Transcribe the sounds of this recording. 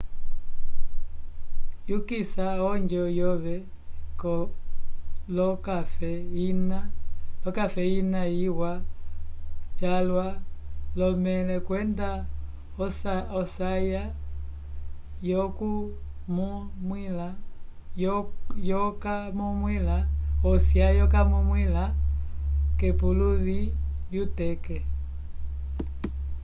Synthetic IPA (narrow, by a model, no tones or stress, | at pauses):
jukisaɔɲd͡ʒɔjɔβɛ | kɔ | lɔkafɛinapakafɛinaiwa | t͡ʃalwalɔmɛlɛkwɛnda | ɔsɔsaja | jɔkumumwila | jjɔkamumwilaɔsjajɔkamumwila | kɛpuluβijutɛkɛ